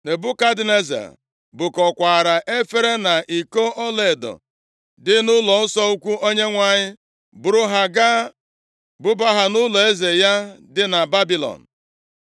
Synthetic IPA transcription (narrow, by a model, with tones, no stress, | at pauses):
ne˨bʊ˦ka˦dɪ˨ne˦za̰˨ | bʊ˨kɔ˨kʷa˨ɾa˨ʔe˦fe˦ɾe˦na˨ʔi˨ko˦ʔɔ˦le˨dɔ̰˨ | dɪ˦nʊ˦lɔ˨n̩˦sɔ˦u˦kʷu˦o˦ɲe˦ŋʷa˨ɲɪ˦ | bʊ˨ɾʊ˦ɦa˨ɡa˦ | bʊ˦ba˦ɦa˨nʊ˦lɔ˨e˦ze˨ja˦dɪ˦na˨ba˦bi˦lɔ̰˨n̩˨